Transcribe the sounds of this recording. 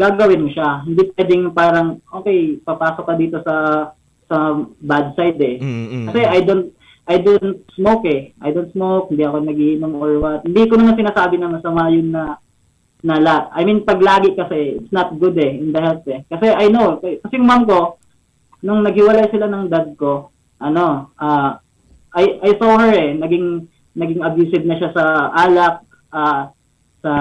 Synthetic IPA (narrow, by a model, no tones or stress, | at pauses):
ɡaːɡɐwɪnmoʃaɦɪnd̪ipwɛːd̪ɪŋpaːɾɐŋʔoːkɛjpɐpaːsok̚ːɐd̪iːt̪o̞sɐ | sɐbad̪̚sajd̪ɛkɐsɛʔajd̪ont̪̚ | ʔɐjd̪ont̪̚smowkɛʔa̰jd̪ont̪smowk̚hɪnd̪iʔɐko̞nɐɡihɪmoŋoɹwɐt̪̚hɪnd̪ikonɐmansɪnaːsaːbɪnɐmɐsɐmajʊnːɐ | nɐlaʔɐjminpɐɡlaːɡɪkɐsɛɪt̪snɐt̪̚ɡʊd̪ɛɪnd̪ɐhɛlpɛkɐsɛʔɐjnokɐkɐsɛjʊŋmamko̞ | nʊŋnɐɡ̚hɪwɐlajsɪlanɐŋd̪ad̪̚ko̞ | ʔɐno̞ʔaː | ʔajɐjsohɛɹɛnɐɡɪŋ | nɐɡɪŋɐbjuːsɪb̚nɐʃasɐʔaːlɐk̚ | ʔaː | sɐ